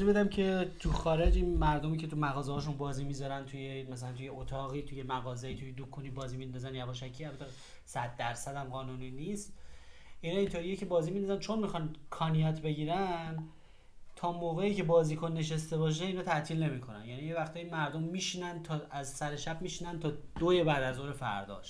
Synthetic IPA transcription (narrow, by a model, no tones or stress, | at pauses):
zibed̪æmcʰe̞t̪ʰuxɒːɾed͡ʒinmæɾd̪omiːcʰe̞t̪ʰumæɣɒːzehɒːʃunbɒːziːmizɒɾænt̪ʰujemæsælænt̪ʰujeʔot̪ʰɒːɣiːt̪ʰujemæɣɒːzeit̪ʰujed̪ukʰuniːbɒːziːmind̪ɒzænjæbɒʃækʰiælbæt̪ʰe | sæd̪̚ːæɾsæd̪æmɢɒːnuniːnist̪ | ʔinɒːint̪ʰo̞ɾijecʰe̞bɒːziːmind̪ɒzænt͡ʃʰo̞nmixɒnkʰɒːnijɒt̪ʰbe̞ɟiːɾæn | t̪ʰɒːmoːɣeicʰe̞bɒːziːkʰonːe̞ʃest̪e̞bɒːʃ̬eiːnɒːt̪ʰæʔt̪ʰiːlne̞miːkʰo̞nænjænijevæxt̪ʰɒːjimæɾd̪omːiːʃiːnænd̪t̪ʰɒæzsæɾe̞ʃæbmiːʃiːnænt̪ʰɒːd̪̥oje̞bæːd̪æzoːɾefæ̰ɾd̪ɒ̰ːʃ